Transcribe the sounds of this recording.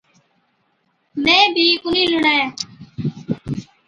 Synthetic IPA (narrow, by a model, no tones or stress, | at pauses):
mẽːbʱiːkʊnĩːlʊɽaːjaː